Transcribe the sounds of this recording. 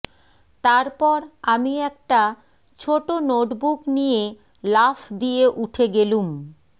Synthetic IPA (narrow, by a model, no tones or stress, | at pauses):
t̪aɾpɔɾamiɛk̚ʈa | t͡ɕʰoʈonoʈbʱuknije | lafd̪ijeʔuʈʰeɡelum